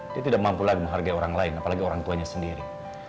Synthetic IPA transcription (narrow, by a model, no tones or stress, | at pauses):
diat̪idak̚mampulaɡiməŋɦarɡaioɾaŋlaɪnapalaɡioɾaŋt̪uaɲasəndiɾi